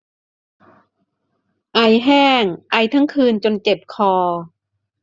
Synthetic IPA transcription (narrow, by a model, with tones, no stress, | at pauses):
ʔa˧jɦɛː˥˩ŋʔa˧jt̪ʰa˦˥ŋkʰɯː˧nt͡ɕo˧nt͡ɕe˨˩p̚kʰɔː˧